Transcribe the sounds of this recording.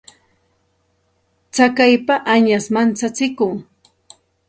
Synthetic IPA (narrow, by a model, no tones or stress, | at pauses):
t͡sakajpaʔaɲasmant͡sat͡sɪkʊŋ